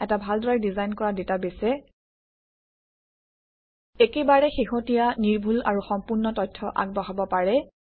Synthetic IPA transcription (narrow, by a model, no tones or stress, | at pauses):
ɛtabʱaldɔɹajdizajnkɔɹadetabesɛ | ekebaɹɛxiɦotijaniɹbʱula̰ɹuxɔmpʊɹnɔtɔjtʰːɔʔa̰ɡ̚bɔɦabɔpaɹɛ